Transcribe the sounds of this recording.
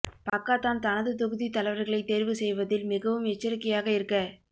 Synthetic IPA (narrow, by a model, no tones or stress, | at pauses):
pɐkːaːt̪ːaːnt̪ɐnɐðɯt̪ɔɣɯðit̪ɐlɐɪʋɐɾɣɐɭɐɪt̪ːeːɾʋɯsɛjʋɐðɪlmɪɣɐʋɯmɛt͡ʃːɪɾɯkːɪjaːɣɐɪɾɯkːɐ